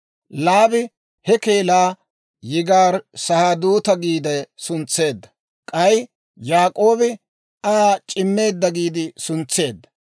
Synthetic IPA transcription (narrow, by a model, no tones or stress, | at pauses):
laːbɪ | hɛke̞ːlaː | jɪɡaːɾsɐhad̪uːt̪ɐɡiːd̪ɛsʊnt͡sːe̞ːd̪ːɐ̥ | kʼɐj | jaːkʼo̞ːbɪ | at͡ʃʼɪmːe̞ːd̪ːɐɡiːd̪ɪsʊnt͡sːe̞ːd̪ːɐ̥